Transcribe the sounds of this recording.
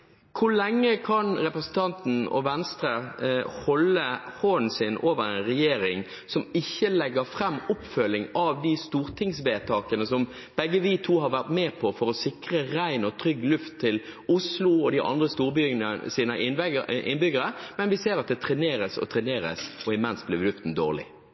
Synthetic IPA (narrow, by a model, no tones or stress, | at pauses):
kʰʊɭɛŋːəkʰɑnɾɛpɾɛsn̩t̪ʰɑnt̪n̩ɔ̰ʋɛnst̪ɾəhɔlːəhoːn̩sɪnʔoːʋəɾɛɪnɾɛjeːɾɪŋ | sɔmɪçːəlɛɡəɾfɾɛmːʊpfœlːɪŋɑʋd̪ist̪uːɾt̪ʰɪŋsʋeːt̪ʰɑːkənəsɔm | b̥ɛɡːəʋiːt̪ʰuːɦɑɾʋæʁt̪mɛːpʰɔfɔɾɔsɪkɾəɾæɪnɔt̪ʰɾʏɡːlʉft̪ʰːɪlʊslʊɔd̪ɪʔɑ̰nd̪ʁəst̪uːɾbʏɡnəsiːnəʔɪnʔɪ̰nbʏɡəɾəmɛnʋɪseːɾɑt̪̚d̪ɛt̪ʰɾɛneːɾəsɔ̰t̪ʰɾɛneːɾə̰sɔɪmɛnsblɪʋlʉft̪n̩d̪o̰ːʁlɪ̰